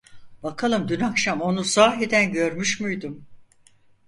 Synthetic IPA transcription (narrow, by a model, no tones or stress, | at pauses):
b̥akʰalˠɯmd̪ynakʃamo̞nusaːɦed̪ænɟø̞ɾmyʃmyjd̪um